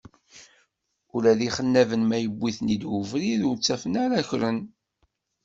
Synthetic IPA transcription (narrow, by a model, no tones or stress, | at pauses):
ʊɾæðiχənːævənmæjəbːiθnid̪wʊvɾiðʊɾt͡sːæfənaɾæçɾən